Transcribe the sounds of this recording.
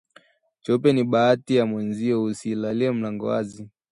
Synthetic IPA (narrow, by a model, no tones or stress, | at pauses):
t͡ʃɔpɛniɓaatijamwɛnziɔusilaliɛm̩laŋɡɔa̰zi